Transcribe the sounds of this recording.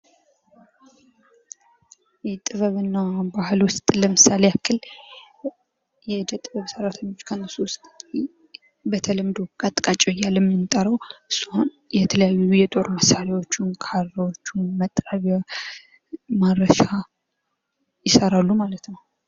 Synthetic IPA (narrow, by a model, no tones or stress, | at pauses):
jɛt̪ʼɨβəβɨnːabahɨlwʊst̪ʼləmɨsaleakʰːɨl | jɛd̪ət̪ʼːɨβəβsəɾat̪ʰəɲːot͡ʃːkʰənːəsuwʊst̪ʼ | bət̪ʰələmd̪okʼat̪ʼkʼat͡ʃʼɛjːalːɛmɪnt̪ʼəɾəwʔɨsuhn | jɛt̪ʰələjajːujɛt̪ʼo̞ɾməsalewo̞t͡ʃːunkʰaɾawot͡ʃːunmət̪ʼːɾaβja | mad̪ɾəʃa | jɪsəɾalːumalət̪nəw